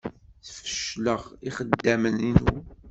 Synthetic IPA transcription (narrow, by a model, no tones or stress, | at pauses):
θə̥fə̥ʃləʁiχəd̪ːæməninu